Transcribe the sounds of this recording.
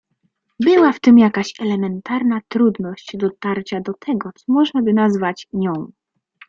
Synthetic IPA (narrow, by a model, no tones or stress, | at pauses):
bɘwaft̪ɘmjakaɕɛlɛmɛnt̪aɾnat̪ɾud̪nɔɕt͡ɕd̪ɔt̪aɾt͡ɕad̪ɔt̪ʰɛɡɔt̪sɔmɔʐnabɘnazvat͡ɕɲɔ̃w̃